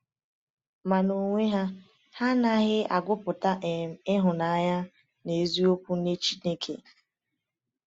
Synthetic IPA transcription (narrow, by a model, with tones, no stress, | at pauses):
ma˨no˨ŋʷe˦ɦa˦ | ha˦na˦ɣɪ˦a̰˨ɡʷʊ˦pʊ˨ta˦ʔe˨m˨ɪ˦ɦʊ˨na˨˦ɲa˦ | ne˨zi˦o˦pʷu˦ne˦t͡ʃi˦ne˦kʰḛ˨